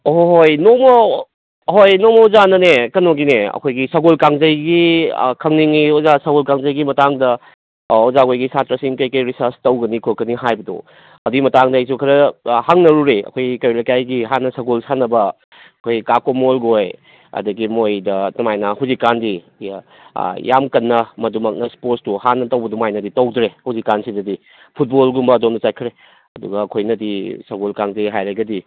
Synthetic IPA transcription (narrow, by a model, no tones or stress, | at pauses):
oɦojnomo | hojnomouzanɐnekɐnoɡineɐ̰kʰojɡisɐɡolkaŋzɐjɡḭkʰɐŋniŋiozasaɡolkaŋzɐjɡimɐtaŋdɐ | ozakʰojɡisatɾɐsiŋkɐjkɐjɾisaɾstɐwɡɐnikʰokːɐniɦajbɐdṵ | ɐduimɐtaŋdɐɐjs̬ukʰɐɾɐhaŋnɐɾuɾiɐ̰kʰojikɐjɾlajkajɡiɦanːɐsɐɡolsanɐbɐ | ɐkʰojkakomolɡoj | ɐ̰dɐɡimojdɐtɐmajnɐhuzikːandḭ | ja̰mkɐnːɐmɐdumɐk̚nɐspoɾtstuhanːɐtɐwbɐdumajnɐditɐwdɾehuzikːansidɐdi | pʰut̚bolɡumbɐːdomndɐajkʰɾe | ɐduɡɐːkʰojnɐdisɐɡolkaŋdeɦajɾɐɡɐdi